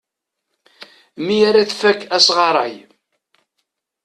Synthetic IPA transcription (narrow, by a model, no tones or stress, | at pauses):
mijaɾaθfækːæsʁɑɾˤɑ̰j